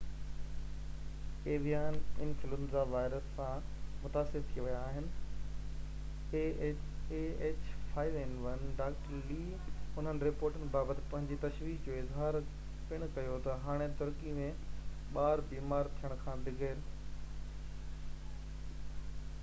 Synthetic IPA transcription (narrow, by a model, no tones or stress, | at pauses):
eːʋijaːnɪ̃nfɪlʊmzaʋaːɪɾəsːãmʊt̪aːsɪɾt̪ʰiʋɐjaːɦɪnɪ̆ | eeːt͡ɕfaːɪʋenʋɐnɖaːkʈəɾliː | ʊn̤ənɪ̆ɾɪpoːɾʈənɪ̆baːbət̪ɪ̥̆pɐ̃ɦɪ̃ɲd͡ʑit̪ɐʃʋiːkd͡ʑoːɪzɦaːɾ | pɪɽ̃kɐjot̪ɐɦaːɽ̃et̪ʊɾkimẽ | ɓaːɾbiːmaːɾt̪ʰijəɽ̃ʊkʰãːd̪ɪɡəɾ